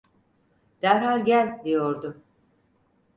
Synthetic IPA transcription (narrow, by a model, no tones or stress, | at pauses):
d̪̥æɾɦalʲɟælʲd̪ijoɾd̪ʊ